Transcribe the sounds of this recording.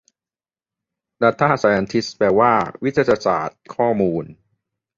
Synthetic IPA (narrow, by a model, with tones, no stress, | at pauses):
da˧˩t̪ʰːa˥a˨˩saː˨˩ja˧nt̪ʰi˦˥spɛː˧waː˥˩wi˦˥t̪ʰːja˧sa̰ː˨˩t̪̚kʰɔː˥˩muː˧n